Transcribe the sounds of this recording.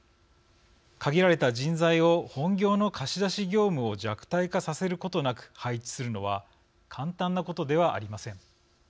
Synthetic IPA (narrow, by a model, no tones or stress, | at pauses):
kaɡʲiɾaɾe̞t̪ad͡ʑĩnd͡zaio̞hõ̞ŋɡʲo̞ːno̞kʰaɕid̪aɕiɡʲo̞ːmɯ̟o̞d͡ʑakɯ̟̥t̪aikasase̞ɾɯ̟ko̞t̪o̞nakɯ̟̥hait͡ɕi̥sɨɾɯ̟no̞βa | kʰãnt̪ãnːako̞t̪o̞d̪e̞β̞aʔa̰ɾʲimasẽ̞ŋ